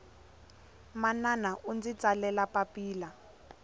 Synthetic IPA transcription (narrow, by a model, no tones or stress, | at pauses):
mananaʔund͡zit͡sʼalɛlapapiːla